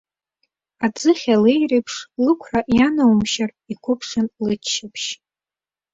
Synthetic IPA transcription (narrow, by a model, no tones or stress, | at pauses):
ad͡zɨχʲalejripʰʂlɨkʷʰraʔjanawmʃar | ikʷʰʊpʰʂɨnlɨt͡ʃʰːɪpʰʃ